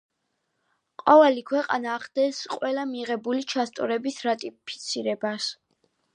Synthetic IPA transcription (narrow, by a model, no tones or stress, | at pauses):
qʼɔvɛlikʰwɛqʼa̰naːχd̪ɛsqʼwɛlamiʁɛbulit͡ʃʰast̪ʼɔɾɛbisɾat̪ʼipʰi̥t̪sʰiɾɛbas